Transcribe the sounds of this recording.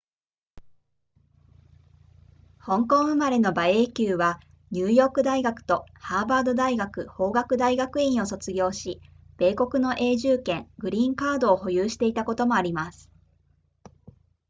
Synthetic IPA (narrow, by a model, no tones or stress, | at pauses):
hõ̞ŋkõ̞ɰ̃ɯ̟maɾe̞no̞bae̞ːkʲɨːβa | ɲ̟ʲɨːjo̞ːkɯ̟d̪aiɡakɯ̟̥t̪o̞haːbaːd̪o̞d̪aiɡakɯ̟ho̞ːɡakɯ̟d̪aiɡakɯ̟ĩɰ̃o̞so̞t͡sɨɡʲo̞ːɕi | b̥e̞ːko̞kɯ̟no̞ʔe̞ːʑɨːkẽ̞ŋɡɯ̟ɾʲĩːŋkaːd̪o̞ːɦo̞jɯːɕi̥t̪e̞it̪ako̞t̪o̞mo̞aɾʲimasɨ̥